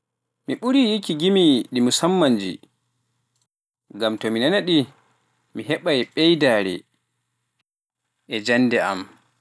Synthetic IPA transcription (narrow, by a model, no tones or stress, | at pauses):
miɓuɾijikiɡimiɗimusamːand͡ʒḭ | ɡamtɔminanaɗi | miɦɛɓajɓɛjdaːɾɛ̰ | ʔɛd͡ʒanːdɛʔa̰m